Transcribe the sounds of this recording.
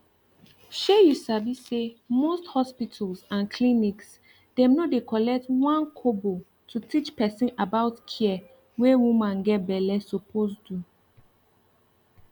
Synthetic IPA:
ʃɛjusavissemosthɔspitʰalsãnkʰlĩniks | d̥ɛ̃mnɔdekʰɔlɛk̚twãnkʰobo | tʰutʰit͡ʃpɛsĩnabaʊtkʰiɛ | wewumãnɡɛt̚bɛlɛsopʰosdu

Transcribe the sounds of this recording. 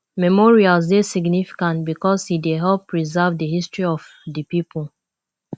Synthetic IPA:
mɛmɔɹialzdesiɡnifi̥kãntbikɔshideɦɛlpːɹizɛvdəhistɹiɔf | dəpipʰl

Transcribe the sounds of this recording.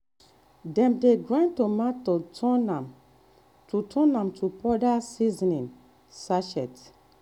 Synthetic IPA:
dɛ̃mdeɡɹãntomatotʰɔnam | tutʰɔ̃nãmtʰupɔdasizinĩn | saʃɛ̰t

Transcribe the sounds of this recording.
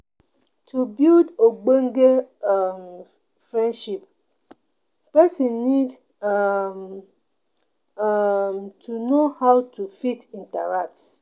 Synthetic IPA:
tʰubildoɡ͡beŋ̩ɡeam | fɹɛ̃nʃip̚ | pɛsĩnːid | m | tʰunohawtʰufitĩntɛ̰ɹak̚t

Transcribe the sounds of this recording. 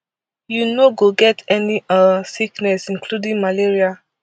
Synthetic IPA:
junoɡoɡɛtʰɛniasiknɛsĩnkludĩŋmaleɹia

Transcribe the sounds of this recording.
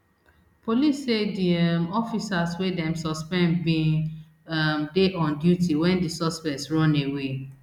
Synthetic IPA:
polisediamɔfisaswedɛ̃msɔspɛ̃nbĩ | amdeʔɔ̃ndjutiwɛ̃ndisɔspɛksɹɔ̃newe

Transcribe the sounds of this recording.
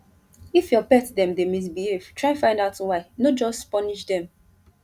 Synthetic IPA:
ifjɔpɛtdɛ̃mdemis̬bihev̥tʰɹaɪ̃nfãɪ̃ndaʊtwaɪnod͡ʒɔstpɔniʃdɛ̃m

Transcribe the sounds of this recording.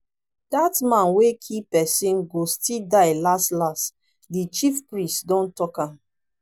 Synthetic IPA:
d̥atmãnwekʰipɛsĩnɡostildaɪlastlast | dit͡ʃifpɹĩstdɔ̃ntɔkãm

